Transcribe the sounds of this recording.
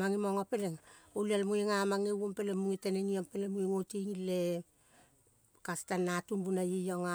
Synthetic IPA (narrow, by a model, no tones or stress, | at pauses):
maŋimoŋapeleŋolialmueŋamaŋewompelemuŋiteneŋiompelemueŋotiŋile | kastanːatumbunajijoŋa